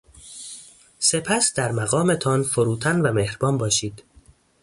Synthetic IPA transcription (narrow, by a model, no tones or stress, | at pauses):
se̞pʰæsd̪̥æɾmæɣɒːme̞t̪ʰɒnfoɾuːt̪ʰænvæmehɾbɒːnbɒːʃiːd̪̥